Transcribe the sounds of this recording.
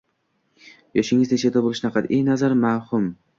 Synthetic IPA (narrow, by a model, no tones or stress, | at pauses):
jɒʃɪŋɪzd̪ɪnʃʰet̪ʰabolˠɪʃnaqʰat̪ejnazaɾmahʊm